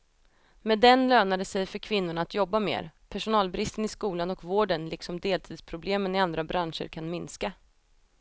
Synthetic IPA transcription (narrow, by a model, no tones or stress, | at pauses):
mɛd̪ɛnløːnad̪əsɛjfœɾkʰvɪn̪ːʊɳaːt̪jɔbːamḛːɾpʰæʂʊnɑːlbɾɪst̪ənɪskuːlanɔkvoːɖənlɪksɔmd̪eːlt̪ʰiːd̪spʰɾʊbleːmənɪand̪ɾabɾʔanʂə̰ɾkʰanmɪnska